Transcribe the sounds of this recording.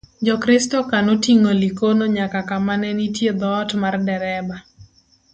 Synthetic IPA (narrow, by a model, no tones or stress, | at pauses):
d͡ʒɔkɾɪstɔkanotiŋolikonoɲakakamanɛnitjed̪ɔːtmardɛɾɛba